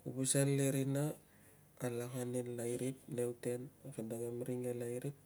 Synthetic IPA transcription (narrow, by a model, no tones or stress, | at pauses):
kubusanleɾinaː | laɦanenlajɾip̚ne̞wte̞nakedaɡemɾiŋelajɾip̚